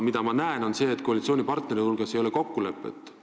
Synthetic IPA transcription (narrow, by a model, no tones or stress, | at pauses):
mid̪̥ɑmɑnæeno̞nse̞ːt̪ko̞ɑlit̪sʲio̞ːnʲipɑrt̪ne̞ɾiulɡ̥ɑsejo̞leko̞kːule̞pːˑḛt̪ːˑ